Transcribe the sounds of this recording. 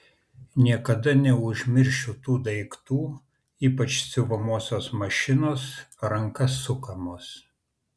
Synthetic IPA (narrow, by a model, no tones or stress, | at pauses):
nʲiɛkɐd̪ɐnʲɛʊʒʲmʲɪɾʲʃʲʊt̪uːd̪ɐɪkt̪uː | iːpɐt͡ʃsʲʊʋɐmuɔsʲoːsmɐʃʲɪnoːsɾɐŋkɐsːʊkɐmoːs